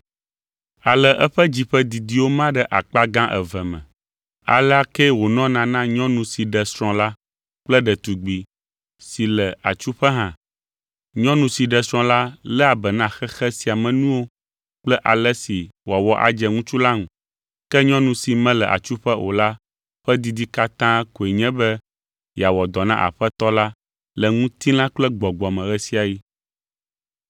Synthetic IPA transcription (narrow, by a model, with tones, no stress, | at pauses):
a˨lɛ˨ʔɛ˦ɸɛ˦d͡ʑi˨ɸɛ˦d̪i˨d̪i˨wo˦mã˦ɖɛ˦ʔa˨k͡pa˦ɡã˦ʔɛ̰˨vɛ˨mɛ̰̃˨ | a̰˨lɛ˦a˦kɛ˦wo˨nɔ̃˦nã˨nã˦ɲɔ̃˦nũ˨si˨ɖɛ˨sɾ̃ɔ̃˨la˦ | k͡plɛ˦ɖɛ˨t̪u˨ɡ͡bi˨ | si˨lɛ˨a̰˨t͡ʃu˦ɸɛ˦ɦã˨ | ɲɔ̃˦nũ˨si˨ɖɛ˨sɾ̃ɔ̃˦la˦lɛ˦a˨bɛ˨nã˦xɛ˦xɛ˦si˨a˨mɛ̃˨nũ˦wo˦ | k͡plɛ˦ʔa˨lɛ˦si˨wa˨wɔ˦ʔa̰˨d͡ʒɛ˨ŋũ˦t͡ʃu˦la˦ŋũ˨ | kɛ˦ɲɔ̃˦nũ˨si˨mɛ̃˦lɛ˨ʔa̰˨t͡ʃu˦ɸɛ˦ʔo˨la˦ | ɸɛ˦d̪i˦d̪i˦ka˦t̪ã˦ko˨e˨ɲɛ̃˦bɛ˦ | ja˨wɔ˨d̪ɔ˨nã˦ʔa̰˨ɸɛ˦t̪ɔ˦la˦ | lɛ˨ŋũ˦t̪i˦lã˦k͡plɛ˦ɡ͡bɔ˨ɡ͡bɔ˨mɛ̃˨ɣɛ˦si˦a˨ji˦